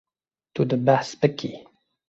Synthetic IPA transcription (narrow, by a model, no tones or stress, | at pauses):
t̪ud̪əbaspəkːi